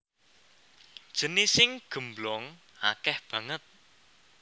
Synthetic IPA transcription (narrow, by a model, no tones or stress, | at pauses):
d̥ʒ̥ə̤nisɪŋɡ̥ə̤mblɔŋ | a̰kɛhb̥ä̤ŋət̪̚